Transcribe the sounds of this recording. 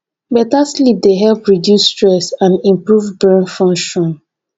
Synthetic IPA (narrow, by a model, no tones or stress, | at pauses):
bɛtaslip̚deɦɛlpɹidjusːtɹɛsãnĩmpɹuvbɛ̃nfɔ̃ŋʃɔ̃n